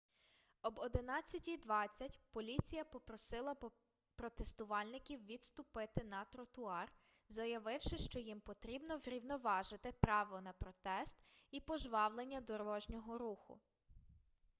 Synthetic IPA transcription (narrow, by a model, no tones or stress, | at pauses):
ɔbɔd̪ɪnɑt͡sʲːɐtʲijd̪ʋɑt͡sʲːɐtʲpɔlʲit͡sʲijɐpɔpɾɔsɪlˠɐ | pɾɔt̪est̪ʊʋɑlʲnɪkʲiwʋʲid̪st̪ʊpɪt̪ɪnɐt̪ɾɔt̪ʊɑr | zɐjɐʋɪwʃɪʃt͡ʃɔjimpɔt̪ɾʲibnɔʋɾʲiwnɔʋɑʒɪt̪ɪpɾɑʋɔnɐpɾɔt̪ɛst̪ipɔʒʋɑwlˠenʲːɐd̪ɔɾɔʒnʲɔɦɔɾuxʊ̰